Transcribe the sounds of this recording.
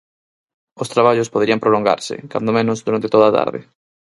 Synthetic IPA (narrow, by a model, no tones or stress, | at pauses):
ost̪ɾaβaʎʊspoðɾiɐmpɾoloŋɡa̰ɾsɪ̰ka̰nd̪omẽnʊzðuɾant̪ɪt̪oðat̪a̰ɾðɪ̰